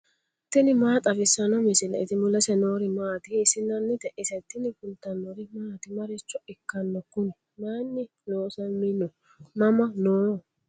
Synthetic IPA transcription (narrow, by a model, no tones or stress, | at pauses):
t̪ːɪnɪmaːt̪ʼɐfɪsːɐnɔmɪsɪnɐ̰ɪt̪ɪmʊlɐsɛnoːɾɪmaːt̪ɪːsɪnːɐnːɪt̪ɛʔɪsɛt̪ːɪnɪfʊlt̪ːɐnːɔɾɪmaːt̪ɪmɐɾɪt͡ʃːɔɪkːɐnːɔkʊnɛ | naːnːɪ | noːsɐnmɪnːɔ | mɐmɐnoː